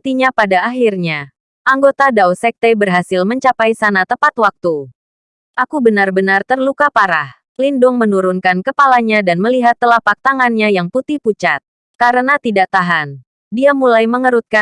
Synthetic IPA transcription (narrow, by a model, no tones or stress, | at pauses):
t̪iɲapadaːɦirɲa | ʔaŋɡot̪adawsɛk̚t̪ebərɦasɪlməɲt͡ʃapajsanat̪əpat̪wak̚t̪u | ʔakubənarbənart̪ərlukapaɾah | lindʊŋmənuɾunkankəpalaɲadanməliɦat̪ːəlapak̚t̪aŋanɲajaŋput̪ihput͡ʃat̪̚ | kaɾənat̪idaʔt̪aɦan | diamulajməŋəɾut̪̚ka